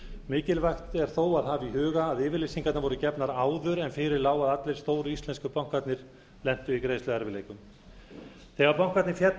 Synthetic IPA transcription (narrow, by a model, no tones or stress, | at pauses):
mɪːcɪlvajxt̪ɛɾ̥θowaðɦaːviɦʏːɣaːðɪːvɪɾlesiŋkat̪navɔɾʏcɛpnaɾaːwðʏɾɛnfɪɾɪɾlaːwaðat̪lɪɾ̥st̪oːwɾʏist̪lɛnskʏpawŋ̥kvat̪nɪɾ̥ | lɛn̥t̪ʏikɾeːjslʏɛɾvɪleːjkʏm | θɛɣaɾpawŋ̥kat̪nɪfjɛt̪